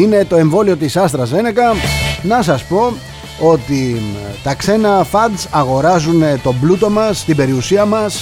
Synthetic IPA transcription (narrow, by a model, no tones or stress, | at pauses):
ine̞t̪o̞e̞ɱvo̞lio̞t̪isɐs̬t̪ɾɐze̞nekɐnɐsɐspo̞ | o̞t̪it̪ɐkse̞nɐfɐd̪sɐɣo̞ɾɐzunet̪o̞blut̪o̞mɐst̪ibe̞ɾiusiɐmɐs